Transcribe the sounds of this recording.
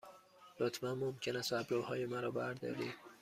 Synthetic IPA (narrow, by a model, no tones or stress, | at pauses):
lot̪ʰmænmomcʰenæst̪æbɾohɒːjemæɾɒːbæɾd̪ɒ̰ːɾḭːd̪̥̚